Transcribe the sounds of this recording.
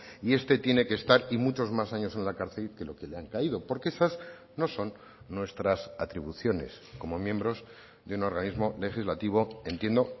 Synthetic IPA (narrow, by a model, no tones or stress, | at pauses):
ie̞st̪e̞t̪je̞ne̞kest̪aɾimut͡ʃo̞zmasaɲo̞se̞nlakaɾθe̞lke̞lo̞ke̞leaŋkaið̞o̞po̞ɾkeesaz | no̞so̞nː | we̞st̪ɾasat̪ɾiβuθjo̞ne̞̰s | ko̞mo̞mjẽ̞mbɾo̞z | ðeuno̞ɾɣanizmo̞le̞xizlat̪iβo̞e̞nt̪je̞nd̪o̞